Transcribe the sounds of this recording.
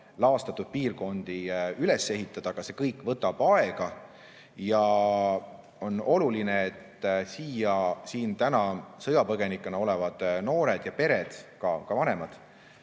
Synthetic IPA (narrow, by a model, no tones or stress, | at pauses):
lɑːst̪ɑt̪ːˑud̪̥̚piːrɡo̞nd̪̥iyle̞se̞ɦit̪ˑːɑd̪̥ɑɡ̥ɑse̞kɤjkːˑvɤt̪ːˑɑb̥ɑeɡ̥ɑ | jɑ | o̞no̞lulineet̪ːsiːjɑsiːnt̪ænɑsɤjɑpɤɡ̥e̞nikːˑenɑo̞levɑd̪̥no̞ːɾed̪̥jɑpe̞ɾe̞d̪̥kɑkɑvɑne̞mɑd̪̥